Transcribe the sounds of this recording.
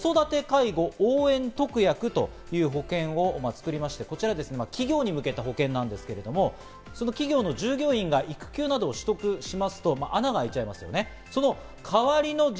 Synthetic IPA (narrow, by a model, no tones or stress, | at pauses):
so̞d̪at̪e̞kaiɡo̞oːẽ̞nt̪o̞kɯ̟jakɯ̟t̪o̞̰ | jɯːɦo̞kẽ̞ɰ̃o̞mat͡sɨ̥kɯ̟ɾʲimaɕi̥t̪e̞ko̞t͡ɕiɾad̪e̞sɨne̞makʲiɡʲo̞ːɲ̟imɯ̟ke̞t̪aɦo̞kẽ̞nːãnd̪e̞sɨ̥ke̞ɾe̞d̪o̞mo̞ | so̞no̞kʲiɡʲo̞ːno̞ʑɨːɡʲo̞ːĩŋɡaʔikɯ̟̥kʲɨːnad̪o̞ːɕi̥t̪o̞kɯ̟ɕimasɨ̥t̪o̞maʔanaɡaːit͡ɕaimasɨjo̞̰ne̞ | so̞no̞ | kʰaβaɾʲino̞